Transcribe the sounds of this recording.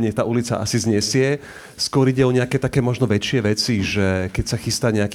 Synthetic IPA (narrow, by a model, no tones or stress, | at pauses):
ɲɪɛt̪aːʔulit͡sa̰ʔa̰sizɲɛsɪɛ | skʊɔɾiɟɛɔɲɛakɛːt̪akɛːmɔʒnɔʋɛt͡ʃɪɛʋɛt͡siʒɛkɛcsaxist̪aɲɛak